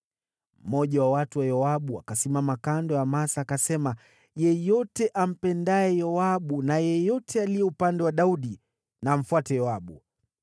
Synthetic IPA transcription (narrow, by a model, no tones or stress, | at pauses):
m̩mɔʄawawatuwajɔaɓuakasimamakandɔjamasaːkasɛma | jɛjɔtɛʔam̩pɛndaɛjɔaɓunajɛjɔtʰɛalijɛupandɛwaɗauɗi | naːm̩fuatɛjɔaɓṵ